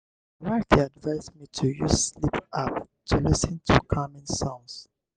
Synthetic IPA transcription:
watʰiadvaɪzmitʰujuslipap | tʰulisĩntʰukʰamĩnsɔ̃ns

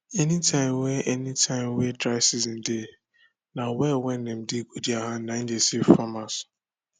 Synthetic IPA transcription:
ɛnitʰãɪmweʔɛnitʰãɪ̃mwedɾaɪsizn̩de | nawɛwɛnem̩dɪkudiaɦanan̩desifamas

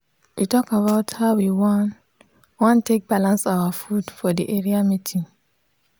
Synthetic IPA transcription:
wʔitɔkabaʊthawiwɔn | wɔ̃ntʰek̚b̥alãnsawafudfɔdiʔɛɹiamitʰĩŋ

